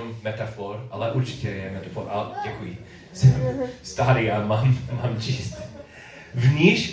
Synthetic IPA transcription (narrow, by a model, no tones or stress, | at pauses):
mmɛt̪afɔɾʔalɛʔuɾt͡ʃi̥cʲɛlɲɛmɛt̪afɔɾʔa̰ɟ̥ɛkuji | sɛst̪aɾiamamːamt͡ʃist̪ | vɲiʃ